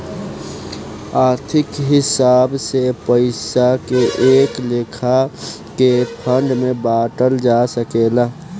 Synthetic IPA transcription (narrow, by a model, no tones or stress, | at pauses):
aːɾt̪ʰɪkɦɪsaːbsepəɪsakeʔeːkleːkʰa | kepʰə̃ɳɖmẽbaːʈəld͡ʒasəkeːla